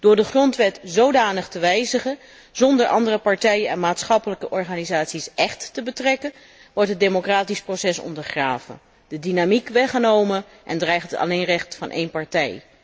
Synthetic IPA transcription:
d̥ʊːɹdəχrɔntʋɛtzowdaːnəχtəʋɛjzəχə | z̥ɔndəɹʔɑ̰ndərɾəpɑɹtɛjənɛnmaːtsχɑpələkəʔɔɹχaːnizaːtsisʔɛχtːəbətrɛkən | ʋɔɹtɦətd̚emokraːtisprosɛsɔ̰ndəɹχraːv̥ə̰n | d̥ədinamikʋɛχənowmən | ʔɛ̰ndrɛjχtətɑ̰lejnrɛχtfɑnʔḛjnpɑɹtɛj

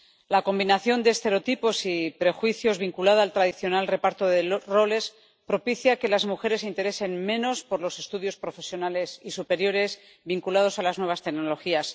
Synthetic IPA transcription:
lako̞mbinaθjo̞nd̪eːst̪e̞ɾo̞t̪ipo̞sipɾe̞xwiθjo̞zβiŋkulaðaːlt̪ɾaðiθjo̞nalre̞paɾt̪o̞ðero̞le̞s | pɾo̞piθjake̞lazmuxe̞ɾe̞s̬int̪e̞ɾe̞se̞nmẽ̞no̞spo̞ɾlo̞se̞st̪uðjo̞spɾo̞fe̞sjo̞nale̞sisupe̞ɾjo̞ɾe̞s | βiŋkulað̞o̞salaznwe̞β̞ast̪e̞ɡno̞lo̞xias

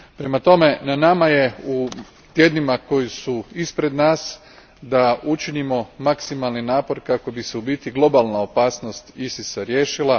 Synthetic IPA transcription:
pɾe̞mat̪o̞me̞nanamaje̞u | t̪je̞ːd̪nimako̞jisuispɾe̞d̪naːs | d̪aut͡ʃinimo̞maksimalninaːpo̞ɾkako̞biseubiːt̪iɡlˠo̞balˠnao̞paːsno̞st̪isisaɾje̞ːʃilˠa

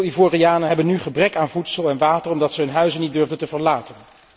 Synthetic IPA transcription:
ivoːriaːnəɦɛbənyχəbrɛkaːnvutsəlˠɛnʋaːtərɔmdɑtsəɦɵnɦœɥzənit̚dɵɹvdəntəvəɹlaːtən

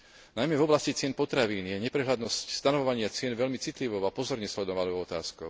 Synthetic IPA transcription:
najmɛvɔblascit͡sɪɛnpɔt̪ɾaʋiːnjɛɲɛpɾɛɦlad̪nɔscst̪anɔʋɔʋaɲɪat͡sɪɛnʋɛʎmit͡sit̪liʋɔʊapɔzɔɾɲɛslɛd̪ɔʋanɔʊʊɔt̪aːskɔʊ

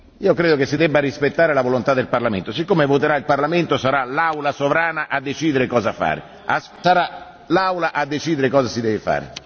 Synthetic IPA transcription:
iːokɾeːd̪okesːid̪ɛbːaɾispet̪ːaːɾelavolont̪ad̪ːelparlamḛnt̪osikːomevot̪eɾailparlament̪osaɾalawlasovɾaːnaʔad̪ːet͡ʃiːd̪eɾekɔːzafa̰ːɾḛ | assaɾa | lawlaʔad̪ːet͡ʃiːd̪eɾekɔːzasid̪ɛːvɪfa̰ːɾḛ

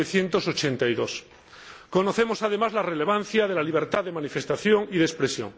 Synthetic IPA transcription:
eθje̞nt̪o̞so̞t͡ʃe̞nt̪ajðo̞s | ko̞no̞θe̞mo̞sað̞e̞mazlare̞le̞βan̟θjað̞e̞laliβ̞e̞ɾt̪aððe̞manife̞st̪aθjo̞ŋiðespɾe̞sjo̰ŋ

